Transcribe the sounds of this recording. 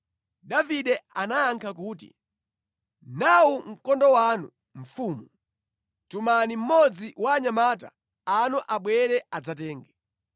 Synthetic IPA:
daviɗɛanaːŋkʰakuːtḭ | nawuŋ̩kɔndɔwanu | ɱ̩fuːmu | tumanim̩mɔd͡ziwaːɲamata̰ | anɔʔaɓwɛɾɛad͡zatɛːŋɡɛ

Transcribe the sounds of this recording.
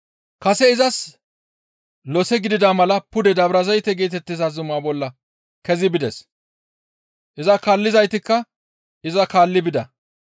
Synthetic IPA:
kɐsɛɪzɐs | lɔsɛɡɪd̪ɪd̪aːmɐlɐpʊd̪ɛd̪ɐbɾɐzɐjt̪ɛɡeːt̪ɛt̪ːɪzazʊmaːbɔlːɐ | kɛzɪbɪd̪ɛs | ʔɪzɐkaːlːɪzɐjt̪ɪkːɐ | ɪzɐkaːlːɪbɪd̪ɐ

